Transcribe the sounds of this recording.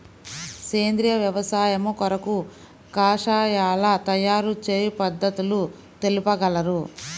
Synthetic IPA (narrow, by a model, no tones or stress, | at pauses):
ke̞ːnd̪ɾijɐʋjɐʋɐsaːjɐmukɔɾɐku | kaːʂaːjaːlɐt̪ɐjaːɾut͡ʃeːjipɐd̪ːɐt̪ulu | t̪e̞lupɐɡɐlɐɾu